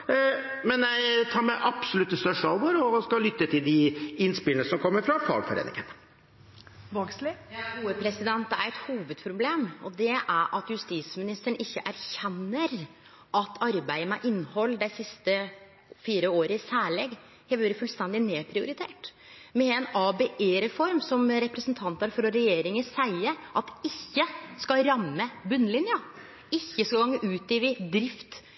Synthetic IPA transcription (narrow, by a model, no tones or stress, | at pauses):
mɛnjæɪt̪ʰɑːɾmɛʔɑpsɔlʉt̪ːəst̪œʂɑlʋoɾɔskɑlʏt̪ːət̪ʰɪld̪ɪɪnspɪlnəsɔmkʰɔmːəɾfɾɑfɑ̰ːɡ̪fɔɾḛːnɪ̰ŋən | ʋɑɡslɪjɑuːəpʰɾɛsɪd̪ɛnt̪̚d̪ɛæɾɛt̪huːʋəd̪̚pʰɾʊbleːmɔd̪ɛʔæɾʔɑt̪jʉst̪iːsmɪnɪst̪əɳɪçːəʔæɾçɛnːəɾ | ʔɑt̪ʰɑɾbæɪəmɛʔɪnːhɔlːd̪ɛsɪst̪ə | fiːɾəoːɾəɪsæːɭɛɡ | hɛʋøːɾəfʉlst̪ɛnd̪ɪneːpʰɾɪʊɾɪt̪ʰḛːʈ | mɛɛnɑbeʔeɾɛfɔɾmsɔmɾɛpɾəsənt̪ʰɑnt̪æɾfɾɔɾɛjeːɾɪŋəsæɪəʔɑt̪ɪçːəskɑɾɑmːəbʉnːəlɪnjə | ɪçːəsɔɡɑŋːəʔʉːt̪iːʋɪd̪ɾɪft̪